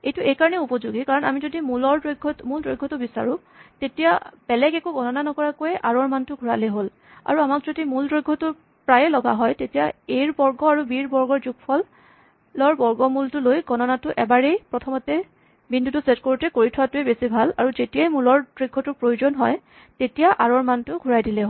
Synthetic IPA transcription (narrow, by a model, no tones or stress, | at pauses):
ejtʊʔejkaɹɔnɛupɔzuɡikaɹɔna̰mizodimulɔɹdɹojɡʱːɔmuldɹojɡʱːɔtʊbisa̰ɹʊ̃ | tetijabɛlɛɡɛkuɡʱɔnɔnanɔkɔɹakojɛʔa̰ɹɔɹmantʊɡʱuɹaleɦol | a̰ɹuamakzodimuldɹojɡʱːɔtʊ | pɹajɛlɔɡa̰ɦɔjtetijaejɹbɔɹɡɔaɹubiɹbɔɹɡɔɹzuɡpʰɔlː | ɔɹbɔɹɡɔmultʊlojɡɔnɔnatʊʔɛbaɹejpɹɔtʰɔmɔtɛ | bindutʊsetkoɹutɛkoɹitʰʊwatʊebesibʱala̰ɹuzetijajmulɔɹdɹoɡʱːɔtʊɹpɹojozɔnɦɔj | tetijaʔaɹɔɹmantʊɡʱuɹajdilɛɦo